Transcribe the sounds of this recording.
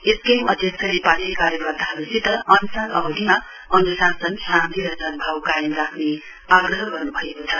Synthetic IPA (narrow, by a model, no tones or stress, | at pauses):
eskemʌd̪ʱjʌk̚sʰʌnepalikaɾjʌkʌrt̪aɦʌɾusit̪ʌʌnusanʌ̰bʌd̪ʱima | ʌnusasʌnɦãnd̪ʱiɾʌsʌmbʱawkajemrakʰne | aɡrʌɦʌɡʌrnubʱʌekot͡sʰʌ